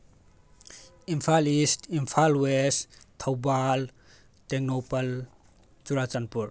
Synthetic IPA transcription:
impʰalistimpʰalwest̪ʰawbal | teknopɐl | t͡ʃuɾat͡ʃanpuɾ

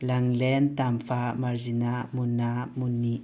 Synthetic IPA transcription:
laŋlɛnt̪amfamaɾzinamunamunːi

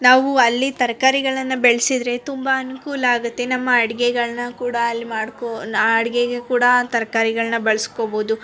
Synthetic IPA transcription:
naːʋuɐlːit̪ɐɾkaːɾiɡɐɭɐnːɐbeɭɐsid̪ɾe̞t̪umbɐːnukuːlaːɡut̪ːe̞nɐmːɐːɽiɡeɡɐɭɐnɐkuːɽɐːlːimaːɽkoɐɽiɡeɡekuːɽɐt̪ɐɾkaːɾiɡɐɭɐnːɐbɐɭɐskoboːd̪u

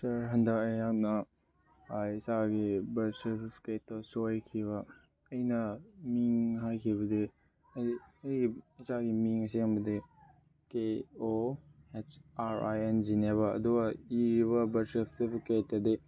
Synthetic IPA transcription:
sɐɾɦɐndɐkɐjak̚nɐ | isaɡibɐɾseɾpipʰi̥kettɐsojkʰiβɐ | ɐjnɐmiŋɦajkʰibɐdi | ɐjɡiisaɡimiŋɐsiɐmbɐdi | keoet͡ʃaɾa̰jend͡ʒineβɐɐ̰duɡɐiɾiβɐbɐɾsepʰtipʰiketːɐdi

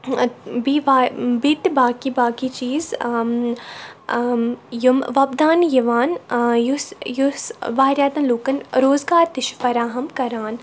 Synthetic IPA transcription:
biʋabit̪baːkibaːkit͡ʃiːz | jumʋɐbd̪aːnjiʋaːnjusjusʋaːɾʲjaːt̪ɐnloːkɐnɾoːzɡaːɾt̪ɪʃfɐɾaːɦɐmkɐɾaːn

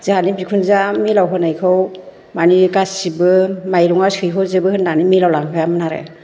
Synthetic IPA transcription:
zanibikʰunzamilawɦɯnajkʰɯw | manikasibɯmajɾɔŋasɯjɦɔzɯbɯhɯndanimilawlaŋkʰɯjamɯnaɾḛ

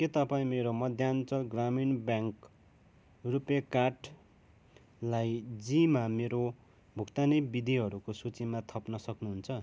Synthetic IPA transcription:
ket̪ʌpaĩmeɾomʌd̪ʱjant͡sʌlɡraminbjaŋk | rupjekaʈ | lajd͡zimameɾo | bʱukt̪anʌjbid̪ʱiɦʌɾukosut͡simat̪ʰʌpnʌsʌknuɦunt͡sʰʌ

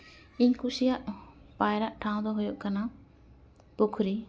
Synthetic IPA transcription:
iɲkusijaʔpajɾaʔʈʰãw̃d̪ɔɦujɔʔkana | pukʰɾi

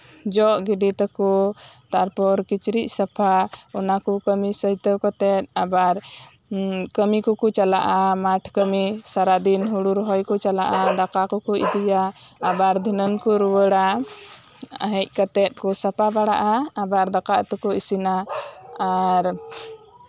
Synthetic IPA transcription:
d͡ʒɔʔɡiɖit̪əkɔt̪aɾpɔɾkit͡ʃɾic̚sapʰaɔnakɔkəmisəɦit̪əwkət̪ɛt̪̚abaɾ | kəmikɔkɔt͡ʃala̰ʔamaʈʰkəmisaɾad̪inɦuɽuɾɦɔjkɔt͡ʃalaʔad̪akakɔkɔʔḭd̪ijaːbaɾd̪ʱinənkuɾuwəɽa | ə̰ɦɛc̚ˀkət̪ɛt̪̚kɔsapʰabaɽa̰ʔaːbaɾd̪akaʔt̪ɔkɔisinaː | ɾ

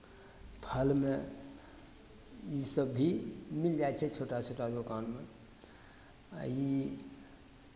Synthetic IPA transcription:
pʰəlme | isəbːʱimild͡ʒaet͡ʃʰɛt͡ʃʰoʈat͡ʃʰoʈaɾokanme | i

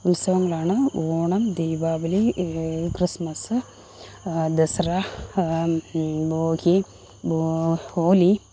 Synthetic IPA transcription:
ulsɐʋɐŋɡlaːɳɐoːɳɐmd̪eːʋaːʋɐlikɾismɐs | d̪ɐsɾa | boːki | booːli

